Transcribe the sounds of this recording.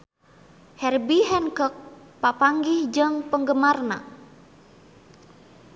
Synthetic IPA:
hɛrbiɦɛnkək̚ | papaŋɡihd͡ʒəŋpəŋɡəmarna̰

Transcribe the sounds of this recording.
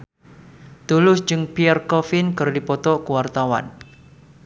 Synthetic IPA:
d̪̥olʊsd͡ʒɨŋpiɛrkɔfɪnkɨrdipɔt̪ɔʔkuwart̪awa̰n

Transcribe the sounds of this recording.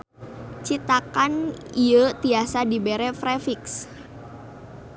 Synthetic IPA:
t͡ʃit̪akaniət̪iasadibeɾɛfɾefiks

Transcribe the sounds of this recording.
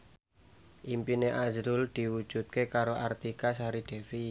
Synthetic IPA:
ʔimpineʔazɾʊld̪̥i̤wud̥ʒ̥ṳt̪̚kekaɾoʔart̪ikas̬aɾiɖ̪̥e̤fi

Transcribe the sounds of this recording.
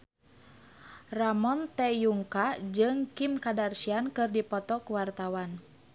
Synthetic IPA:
ramɔnt̪ɛjuŋkad͡ʒɨŋkimkadarsiankɨrdipɔt̪ɔkuwart̪awan

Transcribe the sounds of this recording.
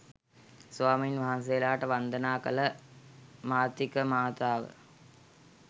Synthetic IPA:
sʋaːminʋaɦans̬ejːlaːʈəʋɐnd̪ɐnaːkɐlɐ | maːt̪ikəmaːt̪aːʋə̰

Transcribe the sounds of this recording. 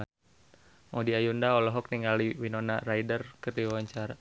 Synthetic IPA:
ŋɔdiajundaɔlɔɦɔk̚niŋaliwinɔnarajdərkərdiwawaɲt͡ʃaɾa

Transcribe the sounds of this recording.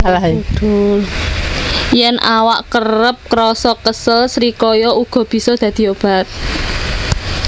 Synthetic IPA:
alad̪ʊl | jɛnʔawa̰ʔkərɾəp̚kɾɔsɔkəsəlsɾikɔjɔuɡ̥ɔ̤b̥i̤sɔd̪̥ä̤d̪̥i̤ob̥a̤t̪̚

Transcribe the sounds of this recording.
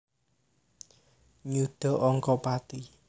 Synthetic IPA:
ɲuɖ̪̥ɔ̤ʔɔŋkɔpat̪i

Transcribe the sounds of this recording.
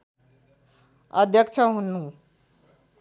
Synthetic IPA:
ʌd̪ʱjʌkt͡ʃʰʌɦunːu

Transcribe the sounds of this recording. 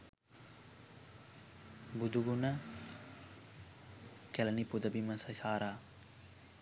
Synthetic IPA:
bud̪uɡuna | kelɐnipʊd̪ɐbimɐsɐsaːɾaː

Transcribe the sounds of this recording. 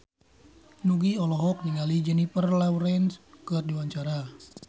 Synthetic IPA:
nuɡiɔlɔɦɔk̚niŋalid͡ʒɛnifərlawɾɛnskɨrdiwaɲt͡ʃaɾa

